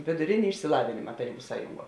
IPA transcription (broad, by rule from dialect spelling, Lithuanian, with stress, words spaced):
ʋʲeːdʊˈrʲeːnʲɪ ɪʃʲsʲɪˈlˠɑːʋʲɪnʲɪmɐ tɐˈrʲiːbʊ ˈsɑːjʊŋˌɡuɔ